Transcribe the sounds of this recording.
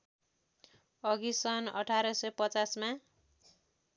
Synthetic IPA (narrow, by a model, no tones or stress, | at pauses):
ʌɡisʌnʌʈʰaɾʌsʌjpʌt͡sasma